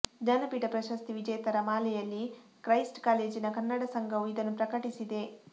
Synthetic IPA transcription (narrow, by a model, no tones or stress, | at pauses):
d͡ʒɐnɐpiːʈɐpɾɐʃɐst̪iʋid͡ʒɛjt̪ɐɾɐmaːlɛjɐlːikɾɐjsʈkaːle̞ːd͡ʒinɐkɐnːɐɽɐsɐŋɡʱɐʋuid̪ɐnːupɾɐkɐʈisid̪e̞